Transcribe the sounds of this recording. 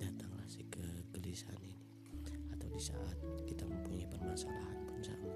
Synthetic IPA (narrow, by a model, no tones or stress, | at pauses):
at̪aŋlahsikəɡəlisa̰nini | at̪awdisa̰ʔat̪̚kit̪aməmpuɲapərmasalaɦanpʊnsa̰ŋ